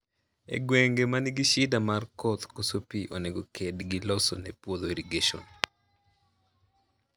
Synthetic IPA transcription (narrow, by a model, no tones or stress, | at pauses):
ḛɡweŋɡemanɪɡiʃɪdamarkot̪kosopiʔoneɡokʰedɡilɔso̰nɛpwod̪oiɾiɡeʃo̰n